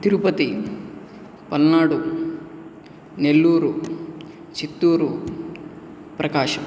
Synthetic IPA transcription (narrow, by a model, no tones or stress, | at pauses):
t̪iɾupɐt̪i | pɐnnaːɽu | nelːuːɾu | t͡ʃit̪ːuːɾu | pɾɐkaːʃɐm